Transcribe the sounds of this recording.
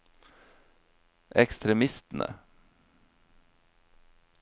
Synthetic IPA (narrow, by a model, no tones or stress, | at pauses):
ʔɛkst̪ɾɛmɪst̪n̩ʔə̰